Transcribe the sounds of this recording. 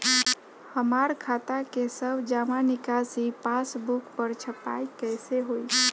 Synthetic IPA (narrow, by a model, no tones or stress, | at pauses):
həmaɾkʰat̪akesəbʱd͡ʒamanikasipasbukpəɾt͡ʃʰəpa̰jkəɪseɦoi